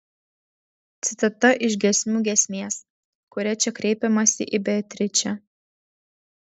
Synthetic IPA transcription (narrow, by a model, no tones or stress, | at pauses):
t̪sʲɪt̪ɐt̪ɐʔɪʃʲɡʲɛsʲmʲuːɡʲɛsʲmʲeːs | kʊɾʲɛt͡ʃʲɛkɾʲɛɪpʲɛmɐsʲɪʔɪbʲɛt̪ʲɾʲɪt͡ʃʲɛ